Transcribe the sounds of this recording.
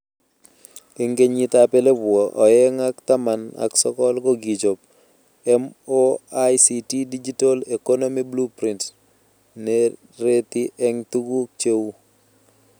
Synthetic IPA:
e˦ŋɡe˦ɲi˦t̪apɛ˦le˦bwɔ˨ʔɔ˨jɛ˦ŋa˦kt̪a˦ma˨na̰˨ksɔ˦kɔ˦lko˦ɡi˨t͡ʃo˨p̚ | ɛmoajsiti˦di˦d͡ʒi˦to˦le˨ko˦no˦miblu˦pɾi˨nt | nɛ | ɾet̪i˦ʔɛŋtu˦ɡu˦k̚t͡ʃe˦wu˦

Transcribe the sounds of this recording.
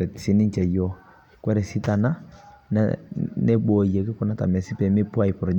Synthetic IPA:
ɛ˨ti̥˨si˨ni˦n˦t͡ʃɛ˨jɔ˨ | kwɛ˦ɾɛ˨si˦ta˨na˦n̰nɛ˦ɓɔ˨jɛ˨ki˦kɔ˦na˦ta̰˨mɛ˨si˦pɛ˨me˦pwa˦˨i˨pɾɔ˨d͡ʒ

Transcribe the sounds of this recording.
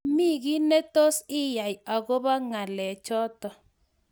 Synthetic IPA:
mi˦ɣi˦nɛ˦to˦sɪ˦ja˨ja˨ɣo˦βa˦ŋa˨lɛ˨t͡ʃɔ˦tɔ˨

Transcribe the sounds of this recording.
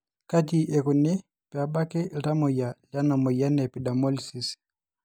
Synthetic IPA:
ka˦t̬i˨ʔɛ˨ko˨ne˦ | pja˨ba˦ke˦˨ɾa˦mo˨ja˨la˦na˨mo˨ja˦nɛ˨pi˨da˨mɔ˦li˨si˨s

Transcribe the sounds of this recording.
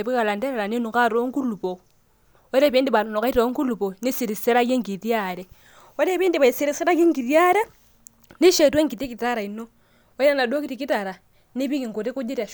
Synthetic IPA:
e˨βi˦ka˨la˨nde˦ɾe˨la˨ni˦nu˨ka˦ɾo˦ŋɡu˦lupo˨ | woɾe˦βiː˦ndi˨βa˨no˨no˨ka˦i˦to˦ŋɡu˦lu˨po˨ni˦siɾi˨se˦ɾa˦je˦ŋɡitjaɾe | wo˦ɾe˦βiː˦ndi˨βa˨i˨si˦ɾi˨se˦ɾa˦ke˦ŋɡi˨ɾja˦ɾe˦ | ni˦ʃe˨twe˦ŋɡi˨ti˦ki˨ta˦ɾa˨ino | we˦ɾa˦na˨do˦ki˦tikita˨ɾa˨ | ni˦βi˦ki˨ŋɡu˨ɾi˦ku˦ɟi˦ɾa˨

